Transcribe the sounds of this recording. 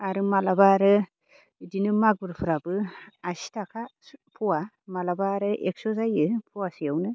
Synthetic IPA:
aɾɯmalabaɾɯ | dinɯmaɡbɯɾpʰɯɾabɯasi̥tʰakʰapʰɔwa | malabaɾɯʔek̚sɔzajɯpʰuwasɯjawnɯ

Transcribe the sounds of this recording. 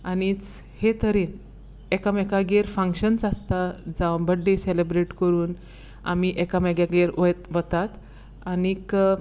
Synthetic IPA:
anit͡shet̪əɾiːn | ekamɛkaɡeɾfə̃ŋkɕənt͡sast̪ad͡zabəɽɖeselebɾeʈkəɾuːn | a̰miʔekamɛɡjaɡeɾʋəjt̪ʋət̪at̪ | anik

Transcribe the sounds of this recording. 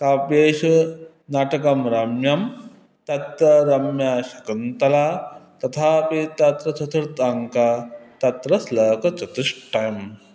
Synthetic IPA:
kaːpjeːʃu | naːʈɐkɐmɾɐmjɐm | t̪ɐt̪ːɐɾɐmjaːʃɐkunt̪ɐlaːt̪ɐt̪ʰaːpit̪ɐt̪ɾɐt͡ʃʰɐt̪ʰɐɾt̪aŋkat̪ɐt̪ɾɐslɐːkɐt͡ʃɐt̪iʂʈːɐjɐm

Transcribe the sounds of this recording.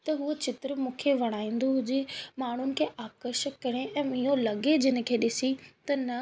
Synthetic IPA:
t̪ɐɦuət͡ɕɪt̪ɾəmũːkʰeʋɐɽ̃aːĩːn̆d̪oɦʊd͡ʑemaːɳ̤ʊnɪ̆kʰeːʔaːkəɾʃəkːɐɽ̃eʔɛ̃ːmiːolɐɠed͡ʑɪnɪ̆kʰeːɗɪsit̪ɐnɐ

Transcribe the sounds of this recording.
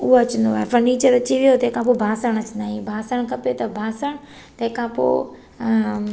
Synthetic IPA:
ʊɦoɐt͡ɕə̃nd̪oaːɦefɐɾniːt͡ɕəɾɐt͡ɕiʋijot̪ɐɦɪ̃kʰãpobʱaːsəɽ̃ɐt͡ɕnd̪aːɦĩbʱaːsəɽ̃kɐpet̪ɐbʱaːsəɽ̃ | t̪ɐɦɪ̃kʰãpo̰ː

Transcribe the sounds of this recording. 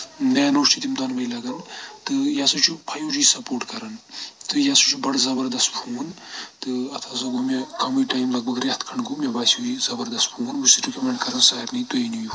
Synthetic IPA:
neːnoːʃʈʰit̪imd̪ɐnbɐjlɐɡɐnt̪ɨjaːsut͡ʃʰupʰɐjũːd͡ʒuisɐpoːɾʈkɐɾɐnt̪ɨjaːsut͡ʃʰubɐɽzɐbɐɾd̪ɐst̪bʰʱuːnt̪ɨɐt̪ʰazɐɡomekɐmiʈaːjmlɐɡ̚bɐɡɾeht̪ʰkʰɐɳɡumebaːsjuizɐbɐɾd̪ɐst̪bʰʱuːnusiʈikʲɐmeɳʈkɐɾɐnsaːɐɾnit̪oiniju

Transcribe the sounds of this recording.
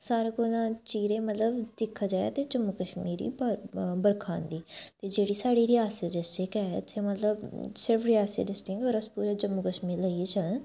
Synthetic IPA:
saːɾaːkonãːt͡ʃiːɾẽːmət̪ləbd̪̥ɪkʰːaːd͡ʒaːja̰ːt̪eːd͡ʒəmuːkəʃmiːɾḭːbbəɾkʰaːnd̪iːt̪eːd͡ʒeːɽiːsaːɽiːɾɪjaːseɖɪsʈɪkɛːɪt̪ʰːeːmət̪ləbsɪɾfɾɪjaːsḛɖɪsʈɪkɔːɾəspuːɾed͡ʒəmːuːkəʃmiːɾləiet͡ʃələ̃n

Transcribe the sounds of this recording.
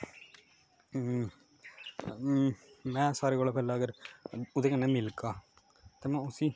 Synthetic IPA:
mɛ̃ːsaːɾeːkoːlːpʰɛːlaːəɡəɾʊd̪eːkənːeːmɪlkaː | t̪eːmɛ̃ːʊsiː

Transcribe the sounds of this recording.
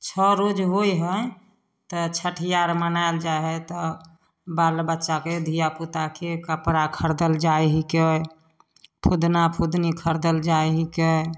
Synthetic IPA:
t͡ʃʰɔɾod͡ʒɦojɦəj | t̪ɔt͡ʃʰəʈʰijaɾmənaeld͡ʒaɦɛt̪ɔ | balbətːʃaked̪ʱijaput̪akekəpɾakʰəɾd̪əld͡ʒajɦikej | pʰud̪napʰud̪nikʰəɾd̪əld͡ʒaeɦikə

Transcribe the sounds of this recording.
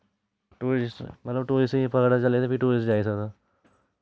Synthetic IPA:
ʈuːɾsmət̪ləbʈoːɾɪspəɡɽat͡ʃɐlet̪epiʈuːɾisd͡ʒaːisəɡd̪a

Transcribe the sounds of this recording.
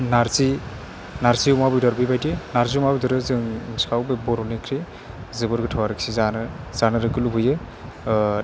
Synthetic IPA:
naɾzi | naɾziumabɯjdɔɾbɯjbajdienaɾziumabujdɯɾɯzɯŋskawbebɔɾɔnekʰɾi | zɯbɯɾɡɯtʰawaɾɯksizanɯ | zanɯɾɯɡɯlubɯjɯ

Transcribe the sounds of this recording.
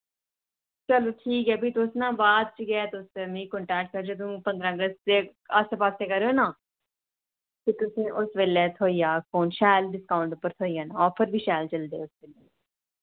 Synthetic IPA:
t͡ʃəloːʈʰiːkɛːbiːt̪ʊsnãːbaːd̪̚t͡ʃəɡɛɛːt̪ʊst̪eːmĩːkɔɳʈɛːk̚ʈ̚kəɾd͡ʒeːt̪̬ũːpənd̪ɾãːɡəst̪eəspaːseːkəɾeoːnãː | t̪eːt̪ʊsĩːʔʊsʋeːlɛːt̪ʰoːiːjaːkoːnʃɛːlɖɪskaːʊ̃ɳʈʊpːəɾt̪ʰoːiːjaːnãːɔːpʰəɾbiːʃɛːlt͡ʃəld̪ḛːʊsʋeːleː

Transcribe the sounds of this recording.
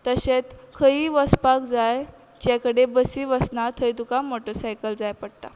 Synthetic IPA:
t̪əɕet͡s̪kʰəiʋəspakd͡zaj | d͡ʑakəɽebəsiːʋəsnat̪ʰəjt̪ukamoʈəɾsajkəld͡zajpəɽʈ̪a̰

